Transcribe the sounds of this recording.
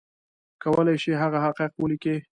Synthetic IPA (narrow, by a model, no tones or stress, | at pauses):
kawəlajʃiɦaɣaɦaqiq̚wəlike